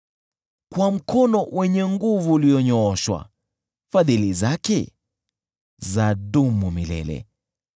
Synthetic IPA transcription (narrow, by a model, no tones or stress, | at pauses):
kwam̩kʰɔnɔwʔɛɲɛŋɡuvuliɔɲɔɔʃwa̰ | faðilizakɛ | zaɗumumilɛ̰lɛ̰